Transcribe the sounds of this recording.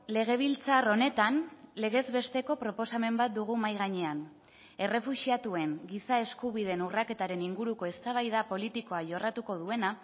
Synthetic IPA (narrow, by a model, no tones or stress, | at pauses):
le̞ɣ̞e̞β̞ilt͡saro̞ne̞t̪anle̞ɣ̞e̞zβe̞st̪e̞ko̞pɾo̞po̞same̞mbat̪̚d̪uɣumajɣaɲe̞an | e̞re̞fuʃiat̪ue̞ŋɡisae̞skuβ̞ið̞e̞nurake̞t̪aɾe̞niŋɡuɾuko̞e̞st̪aβ̞ajð̞apo̞lit̪iko̞aʝo̞rat̪uko̞ð̞ue̞na